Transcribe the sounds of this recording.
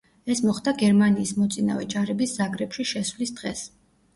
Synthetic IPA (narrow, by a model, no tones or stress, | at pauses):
ɛsmɔχd̪aɡɛɾmaniːsmɔt̪sʼina̰vɛd͡ʒaɾɛbisz̥aɡɾɛpʃiʃɛswlisd̪̥ʁɛs